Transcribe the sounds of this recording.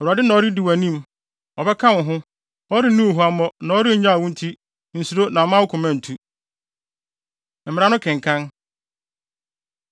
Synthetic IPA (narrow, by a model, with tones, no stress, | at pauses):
ɛ˨wu˨a˨dɪ˦nã˨ɔ˦ɾɪ˦di˨wæ˨nĩ˦m | ɔ˨bɛ˦kʰã˦wʊ̃˨ɦʊ̃˦ | ɔ˦ɾɪ˦nũ˦o˨ɦu˨a˦mɔ˦nã˨ɔ˦ɾɪ˦˨ɲ˦ã˦a˨wũ˦n̩˦tʰi˦ | n̩˨su˨ɾo˦nã˨mã˦wʊ˦kʰʊ̃˨mã˦n̩˨tʰu˦ | m̩˨mɪ˨ɾa˦nʊ̃˦kʰɪ̃˨ŋ˨kʰã˦n